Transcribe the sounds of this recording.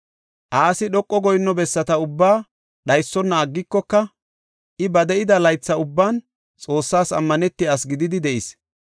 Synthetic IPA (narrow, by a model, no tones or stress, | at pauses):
ʔaːsɪɗɔkʼːɔɡɔjnːɔbɛsːɐt̪ɐʊbːaː | ɗɐjsːɔnːɐːɡːɪkːɔkːɐ | ʔɪbɐd̪ɛʔɪd̪ɐlɐjt͡sːɐʊbːaːn | t͡sʼo̞ːsːaːsɐ̰mːɐnɛt̪ːɪasɡɪd̪ɪd̪ɪd̪ɛʔɪs